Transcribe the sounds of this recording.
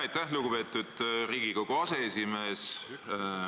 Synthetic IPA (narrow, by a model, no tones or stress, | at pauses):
ɑjt̪æhluɡ̥upe̞ːt̪ːˑud̪̥riːɡ̥ikoɡuɑse̞esime̞ːs